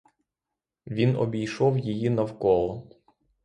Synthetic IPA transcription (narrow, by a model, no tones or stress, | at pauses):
ʋʲinɔ̰bʲijʃɔwjijinɐwkɔlˠɔ